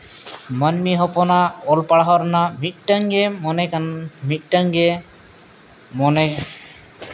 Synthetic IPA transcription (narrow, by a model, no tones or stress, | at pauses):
mənmiɦɔpɔnaɔlpaɽaɦɔɾnamit̪̚ʈaŋɡɛmɔnɛkamit̪̚ˀʈaŋɡɛ | mɔnɛ